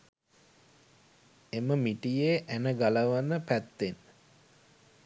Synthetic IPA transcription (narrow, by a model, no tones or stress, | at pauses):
eməmiʈijeʔænəɡaləʋənːəpæt̪ːenə